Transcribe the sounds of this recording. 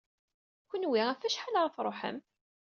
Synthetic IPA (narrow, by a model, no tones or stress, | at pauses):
kʷənwiæfæʃħaləɾˤɑθɾˤoħə̰m